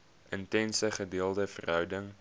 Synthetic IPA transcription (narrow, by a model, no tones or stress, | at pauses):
ʔəntɛnsəχədeːəlˠdəfə̰rɦœwdəŋ